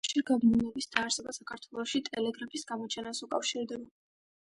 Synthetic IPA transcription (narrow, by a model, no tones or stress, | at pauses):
ʃiɾɡabninɛbisd̪aːɾsɛbasakʰaɾt̪ʰwɛlˠɔʃit̪ʼɛlɛɡɾapʰisɡamɔt͡ʃʰɛnasukʼafʃiɾd̪ɛba